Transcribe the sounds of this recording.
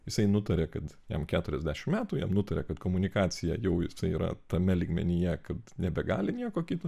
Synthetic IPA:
jɪsɐɪnʊt̪ɐɾʲɛkɐt̪jɛ̰mkʲæːt̪ʊɾʲɛzʲd̪ʲæːʃʲɪmmʲæːt̪uːjɛ̰mnʊt̪ɐɾʲɛ̰kɐt̪koːmʊnʲɪkɑːt͡s̪ʲɪjɛjɛʊjɪsɐɪiːɾɐ̰t̪ɐmʲɛlʲiːɡmʲɛ̰nʲɪjɛkɐt̪nʲɛbʲɛɡɑ̰ːlʲɪnʲiɛkoːkʲiːt̪o

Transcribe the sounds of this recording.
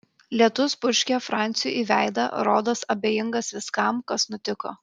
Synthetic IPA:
lʲiɛt̪ʊspʊʃʲkʲɛfɾɑˑnʲt̪sʲɪjṵˑʔiːʋʲæˑɪd̪ɐ̰ɾoːd̪oːsɐbʲeːjɪŋɡɐsʋʲɪskɐmkɐsnʊt̪ʲɪko̰ː

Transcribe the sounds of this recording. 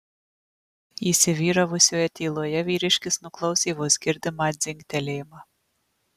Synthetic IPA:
iːˑsʲɪʋʲiːɾɐʋʊsʲoːjɛt̪ʲiːlˠoːjɛʋʲiːɾʲɪʃʲkʲɪsnʊklˠɐʊsʲiːʋʊsɡʲɪɾʲd̪ʲɪmɑd̪ʲzʲɪŋʲkʲt̪ʲɛlʲeːmɑ

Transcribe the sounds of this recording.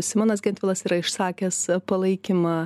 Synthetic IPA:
sʲɪmɑːnɐsɡʲɛnʲt̪ʋʲɪlˠɐsiːɾɐɪʃsɑːkʲɛspɐlˠɐɪkʲɪmɑ

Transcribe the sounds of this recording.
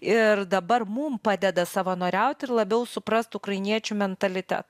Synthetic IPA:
ɪrd̪ɐbɐrmumpɑːd̪ʲɛd̪ɐsɑːʋɐnoːɾʲɛʊt̪ʲɪrlˠɐbʲɛʊsʊpɾɐst̪ʊkɾɐɪnʲiɛt͡ʃʲʊmʲɛnt̪ɐlʲɪt̪ʲæ̰t̪

